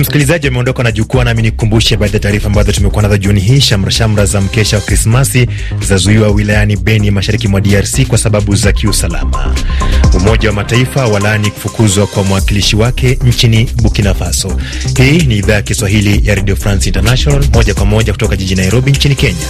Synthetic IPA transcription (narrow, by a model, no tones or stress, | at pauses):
m̩si̥kilizaʄiamɛɔndɔkanaʄukuanaminikumbuʃɛɓaːɗajataːɾifaːmbazɔtumɛkuanaðaʄuuniɦiːʃam̩ɾaʃam̩ɾazam̩kɛʃawakɾismasi | zazuiwawilajaniɓɛnimaʃaɾikimwaɗiaɾsikwasaɓaɓuzakiusala̰ma̰umɔʄawamataifawalaniku̥fukuzwakwamwakiliʃiwakɛɲ̩t͡ʃiniɓukinafasɔ | hiːniːðaːjakiswaɦilijaɾɛɗiɔfɾansintanaʃɔnalmɔʄakwamɔʄaku̥tɔkaʄiʄinaiɾɔɓiɲt͡ʃinikɛɲa